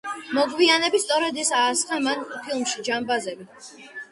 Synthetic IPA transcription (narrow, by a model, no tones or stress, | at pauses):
mɔɡvianɛbist̪sʼɔɾɛd̪ɛsaːsχamanpʰilˠmʃid͡ʒambazɛbi